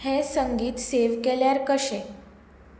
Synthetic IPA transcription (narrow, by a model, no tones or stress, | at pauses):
hẽsəŋɡiːt̪seʋkeljaɾkəɕẽ